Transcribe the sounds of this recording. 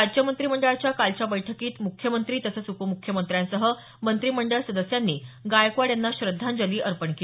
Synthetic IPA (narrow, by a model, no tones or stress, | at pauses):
ad͡ʑjəmənt̪ɾiːməɳɖəɭt͡ɕjakalt͡ɕabəjʈʰəkiːt̪mukʰːjəmənt̪ɾiːt̪əsəːt͡supəmukʰːjəmənt̪ɾjãnsəɦə | mənt̪ɾiːməɳɖəɭsəd̪əsjanːiːɡajkʋaɽjanːaɕɾəd̪ʱːand͡zəliːʔəɾpəɳkei